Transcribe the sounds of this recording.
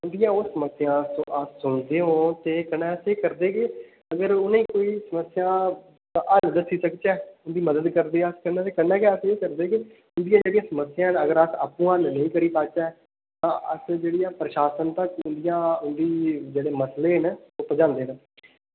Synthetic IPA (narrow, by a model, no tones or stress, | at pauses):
ʊnd̪ɪjãːosːəməsɪjãːsõ̰ːʔəssʊnd̪eːɦõːt̪eːkənɛːəseːkəɾd̪eːke | əɡəɾʊnãĩːkoːiːsəməsːɪjãː | ʔəld̪əsiːsəkt͡ʃɛːʊnd̪iːməd̪əd̪kəɾd̪eːəskənɛːt̪eːkənɛːkɛəseːkəɾd̪eːkɪ | ʊnd̪ɪjãːd͡ʒeːɽijãːsəməsːɪjãːnəɡəɾəsa̰ːpːũːãːnnə̃ĩːkəɽiːpaːt͡ʃaːɛː | t̪ãːʔə̰sd͡ʒeːɽijãːpɾəʃaːsənt̪əkʊnd̪ɪjãːʊnd̪iːd͡ʒeːɽeːməsleːnːoːpəd͡ʒãːnd̪eːnə̃